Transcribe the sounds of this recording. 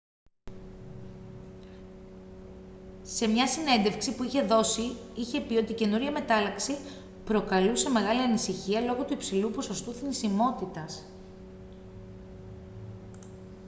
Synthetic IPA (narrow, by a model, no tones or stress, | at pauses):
se̞mɲɐsine̞nd̪e̞fksipuiçe̞ðo̞siiçe̞pio̞t̪ice̞nuɾʝɐme̞t̪ɐlɐksi | pɾo̞kɐluse̞me̞ɣɐliɐnisiçiɐlo̞ɣot̪uipsilupo̞so̞st̪uθinisimo̞t̪it̪ɐs